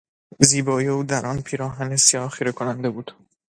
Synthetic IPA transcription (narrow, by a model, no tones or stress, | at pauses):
ziːbɒːjeuːd̪æɾʔɒnpʰiːɾɒːɦænesijɒːxiːɾekʰonænd̪e̞buːd̪̥